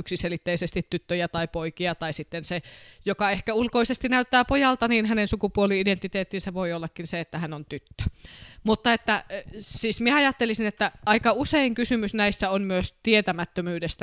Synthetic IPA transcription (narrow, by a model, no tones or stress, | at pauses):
yksiselit̪ːeisest̪it̪tyt̪ːøjæt̪ɑipoikiɑt̪ɑisit̪ːensejokɑehkæulkoisest̪inæyt̪ːæːpojɑlt̪ɑniːnɦænensukupuoliident̪ːit̪eːt̪ːinsæʋoiolːɑkːinseet̪ːæhænont̪yt̪ːø̥mut̪ːɑet̪ːæsiːsmieɑjɑt̪ːelisinet̪ːæɑikɑuseiŋkysymysnæisːæonmyøst̪iet̪æmæt̪ːømyːdest̪æ